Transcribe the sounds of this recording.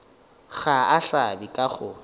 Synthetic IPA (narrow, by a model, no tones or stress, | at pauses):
ɣaaɬabikʼaχʊ